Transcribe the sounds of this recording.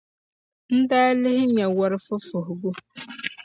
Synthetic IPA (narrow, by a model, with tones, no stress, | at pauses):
n̩˦daː˦lɪ˦ɦɪ˦ɲa˨wɔ˨ɾɪ˨˦fʊ˦fʊ˨ɦɡu˦